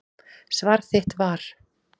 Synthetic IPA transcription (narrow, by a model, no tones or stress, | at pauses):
svaɾ̥θɪht̪vaɾ̥